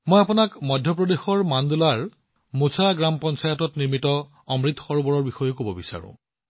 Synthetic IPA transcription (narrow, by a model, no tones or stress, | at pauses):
mojapʊnakmɔdʱjɔpɹɔdexɔɹmandulaɹ | musʰaɡɹampɔnsajɔtɔtniɹmitɔ | ɔmɹitxɔɹbɔɹɔɹbixɔjokobɔbisa̰ɹʊ̰̃